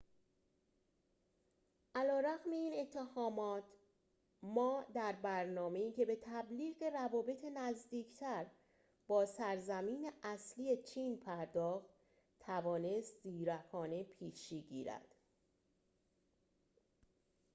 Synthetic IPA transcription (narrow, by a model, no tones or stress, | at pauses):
ʔælɒːɾæɣme̞iːne̞t̪ʰːe̞hɒːmɒːt̪ʰ | mɒːd̪æɾbæɾnɒːme̞iːcʰe̞be̞t̪ʰæbliːɣe̞ɾævɒːbe̞t̪ʰenæzd̪iːcʰt̪ʰæɾ | b̥ɒːsæɾzæmiːne̞ʔæsliːe̞t͡ʃʰiːnpʰæɾd̪ɒːxt̪ | t̪ʰːævɒːne̞st̪ziːɾækʰɒːne̞pʰiːʃiːɟḭːɾæ̰d̪̥